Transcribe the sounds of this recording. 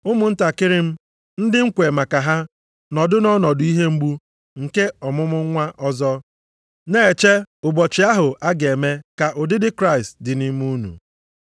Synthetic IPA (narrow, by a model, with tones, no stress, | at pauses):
ʊ˦mʊ˨n̩˦ta˨kɪ˦ɾɪ˦m̩˦ | n̩˦dɪ˦ŋ̩˦kʷe˨ma˨ka˨ɦa˦ | nɔ˨dʊ˦nɔ˦nɔ˨dʊ˨˦i˦ɦe˦ŋ͡m̩˦ɡ͡bu˦ | ŋ̩˨ke˦ɔ˨mʊ˦mʊ˦ŋʷa˦ʔɔ˦zɔ˦ | ne˦˨e˨t͡ʃe˦ʊ˨bɔ˨t͡ʃɪ˨˦a˦ɦʊ˨ʔa˦ɡe˨me˦ka˨ʔʊ˨dɪ˦dɪ˦kɾa˦ɪ˨stdɪ˨ni˦m˦u˦nṵ˨